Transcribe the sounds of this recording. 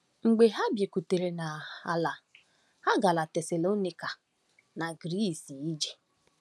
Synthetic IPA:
ŋ͡m̩˨ɡ͡be˨ɦa˦bje˨ku˨te˨ɾe˨na˨a˨la˨ | ha˦ɡa˨la˨tɛ˨sa˨lo˦ni˨ka˨ | na˨ɡɾi˦˨si˨i˦d͡ʒe̥˨

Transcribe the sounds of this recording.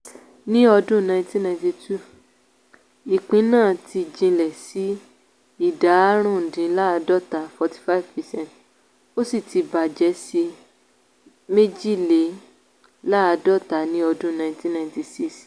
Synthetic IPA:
nĩ˦ɔ˧dũ˦˨nã˧ĩ˧ti˦nã˧ĩ˧ti˧tu˦˨ | i˨k͡pĩ˨˦nãː˦˨ti˧d͡ʒĩ˧lɛ˨si˨˦ | i˦˨da˨˦ɾ̃ũ˦˨dĩ˨˦la˦a˧dɔ˦˨ta˨˦fɔ˧ti̥˦fa˦˨vpɛ˨sɛ̃˦˨t | o˦si˦˨ti˧ba˨d͡ʒɛ˨˦si˧ | me˦d͡ʒi˦le˨˦ | la˦a˧dɔ˦˨ta˨˦nĩ˦ɔ˧dũ˦nã˧˨ĩti˦nã˧ĩ˧ti˧si˦s

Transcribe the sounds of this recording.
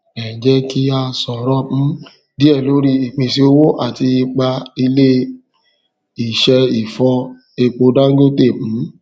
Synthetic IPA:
ɛ˨d͡ʒɛ˦ki˧a˧sɔ˨ɾɔ̃˦˨˦ | di˦ɛ˦˨lo˨˦ɾi˧i˨k͡pĩ˨si˧o˧˦wo˦ʔa̰˦˨ti˧i˧k͡pa˧i˧le˦ | i˨ʃɛ˧i˨fɔ̃˧ | e˧˨k͡po˧dã˦ɡo˦te˦˨m̩̃˨˦

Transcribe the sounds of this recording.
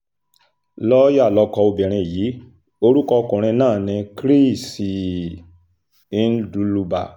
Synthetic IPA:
lɔ˦ja˦˨lɔ˧kɔ˧o˧bɛ˨ɾ̃ĩ˧˨jiː˨˦ | o˧ɾu˦kɔ˧kũ˨ɾ̃ĩ˧nãː˦˨nĩ˧kɾi˦˨si˨ | i˦n̩˦du˨˦lu˧ba̰˨

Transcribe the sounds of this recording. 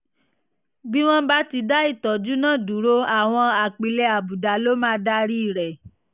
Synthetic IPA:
bi˦w̃ɔ̃˦ba˦ti˧da˦i˦˨tɔ˨d͡ʒu˨˦nã˦˨du˨˦ɾo˦a˨w̃ɔ̃˧a˨k͡pi˨lɛ˧a˨bu˨da˨lo˦mãː˦da˦ɾi˦i˦˨ɾɛ˨

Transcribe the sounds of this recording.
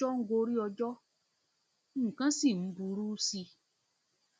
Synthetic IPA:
ɔ˦ŋ̩˦ɡo˧˦ɾi˦ɔ˧d͡ʒɔ˦˨ | kã˦si˦˨m̩˨˦bu˧ɾuː˦si˧

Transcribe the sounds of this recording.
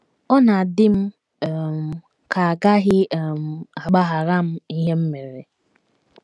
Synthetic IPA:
ɔ˦na˨dɪ˦m̩˦˨ | ka˨a˨ɡa˦ɣɪ˦˨m̩˨a˨ɡ͡ba˦ɦa˨ɾa˦m̩˦i˦ɦe˦m̩˦me˨ɾḛ˨

